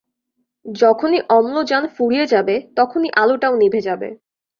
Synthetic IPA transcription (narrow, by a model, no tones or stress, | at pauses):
d͡ʑɔkʰoniʔɔmlod͡ʑanfuɽijed͡ʑabet̪ɔkʰoniʔaloʈawnibʱed͡ʑabḛ